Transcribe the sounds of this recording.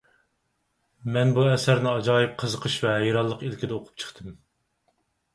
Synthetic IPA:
mɛnbuɛsæɾnɪɑd͡ʒɑːjɨp̚qʰəzəqʰəʃvɛɦɛjɾɑlˠːəqilkʲid̪ɛoqʰʊ̥p̚t͡ʃʰə̥χt̪ʰɨm

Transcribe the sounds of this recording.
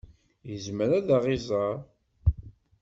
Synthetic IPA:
jəzməɾæðaʁɪzˤɑɾˤ

